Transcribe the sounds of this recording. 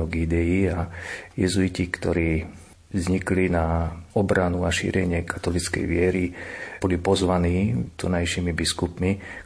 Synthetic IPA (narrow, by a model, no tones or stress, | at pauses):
ɔɡid̪ɛjiajɛzuicikt̪ɔɾiː | vzɲiklinaɔbɾanuaʃḭːɾɛɲɪɛkḁt̪ɔlit͡skɛ̰jʋɪɛɾibɔlipɔzʋaniːt̪ɔnajʃiːmibiskupmi